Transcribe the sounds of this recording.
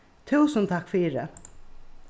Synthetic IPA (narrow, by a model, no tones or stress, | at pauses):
t̪ʰuːsənt̪ʰakfiːɾɪ